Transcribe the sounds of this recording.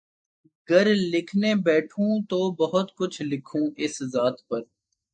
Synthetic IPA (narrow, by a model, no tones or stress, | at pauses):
ɡɐɾlɪkʰnebɛːʈʰũt̪oːbɐɦʊt̪kʊt͡ʃʰlɪkʰũːʔɪszaːt̪pɐɾ